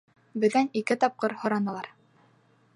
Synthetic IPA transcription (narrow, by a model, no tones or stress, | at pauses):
bɘ̆ðænikɘt̪ɑp̚qɤɾhŏɾɑnɤ̆lˠɑɾ